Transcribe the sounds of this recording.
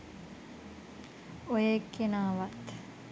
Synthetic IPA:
ojekːenaːʋat̪

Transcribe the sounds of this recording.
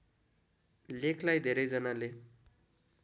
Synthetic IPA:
lekʰlajd̪ʱeɾʌjd͡zʌnale

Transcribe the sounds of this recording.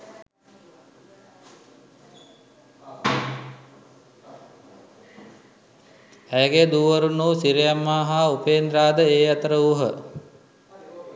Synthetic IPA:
æjəɡed̪uːʋɐɾunːuːsiɾijamːaːɦaupeːnd̪ɾaːd̪əeːat̪əɾəuɦə

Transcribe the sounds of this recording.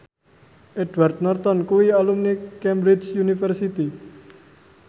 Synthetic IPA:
ʔɛdwart̪̚nɔrt̪ɔnkuwialumnikɛmbɾit͡ʃjunifərsit̪i

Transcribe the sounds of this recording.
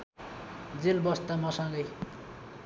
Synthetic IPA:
d͡zelbʌst̪amʌsʌŋɡʌj

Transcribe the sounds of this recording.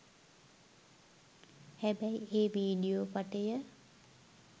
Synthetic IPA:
hæbæieːʋiːɖiopaʈejə

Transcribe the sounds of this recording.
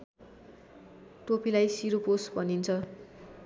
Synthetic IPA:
ʈopilajsiɾoposbʱʌnint͡sʰʌ

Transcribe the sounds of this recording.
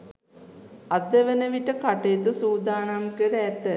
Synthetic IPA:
ad̪əʋənəʋiʈəkaʈeːt̪usuːd̪aːɳamkəɾəɛt̪ːə

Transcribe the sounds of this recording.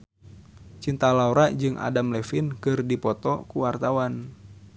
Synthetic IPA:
t͡ʃint̪alauɾad͡ʒɨŋʔa̰damlɛfinkɨrdipɔt̪ɔkuwart̪awan

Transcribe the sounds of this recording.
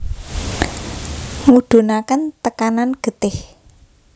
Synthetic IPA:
ŋuɖ̪̥o̤nakənt̪əkananɡ̥ə̤t̪ɪh

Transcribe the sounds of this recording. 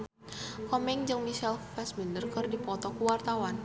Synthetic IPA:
kɔmɛŋd͡ʒɨŋmiʃɛlfɛsmindərkərdipɔt̪ɔkuwart̪awan

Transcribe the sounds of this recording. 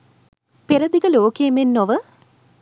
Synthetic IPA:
peɾɐd̪iɡɐloːkeːmenːoʋə

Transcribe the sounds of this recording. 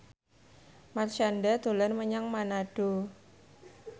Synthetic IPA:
marʃandat̪o̤lɛnməɲaŋmanaɖ̥o

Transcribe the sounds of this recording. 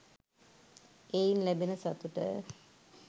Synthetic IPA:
einlæbenəsat̪uʈə̰

